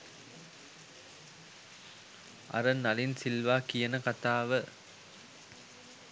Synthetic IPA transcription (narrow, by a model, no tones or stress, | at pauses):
ʔɐ̰ɾɐnɐlɪnsɪlʋaːkɪjɐnɐkɐt̪aːʋɯ